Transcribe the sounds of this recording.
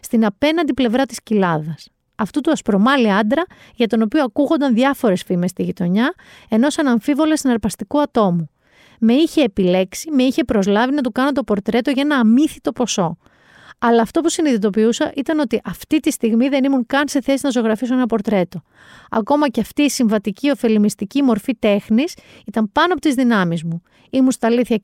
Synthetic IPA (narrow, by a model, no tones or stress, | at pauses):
st̪inɐpe̞nɐnd̪iple̞vɾɐt̪i̥scilɐðɐs | ɐft̪ut̪uɐspɾo̞mɐliɐnd̪ɾɐ | ʝɐt̪o̞no̞pioɐkuɣo̞nd̪ɐnðʝɐfo̞ɾe̞sfime̞st̪iʝit̪o̞ɲɐ | e̞no̞sɐnɐɱfivo̞lesinɐɾpɐst̪ikuɐt̪o̞mu | me̞içe̞ːpile̞ksime̞içe̞pɾo̞zlɐvinɐt̪ukɐnot̪o̞po̞ɾt̪ɾe̞t̪o̞ʝɐenɐːmiθit̪o̞po̞so̞ | ɐlɐːft̪o̞pusiniðit̪o̞piusɐʔit̪ɐno̞t̪iʔɐft̪it̪ist̪iɣmiðe̞nimuŋkɐnse̞θe̞sinɐzo̞ɣɾɐfisoenɐpo̞ɾt̪ɾe̞t̪o̞ | ɐ̰ko̞mɐceɐft̪iːsiɱvɐt̪icio̞fe̞limist̪icimo̞ɾfit̪e̞xnisit̪ɐmpɐnoɐpo̞t̪izðinɐmizmu | imunst̪ɐːliθçɐ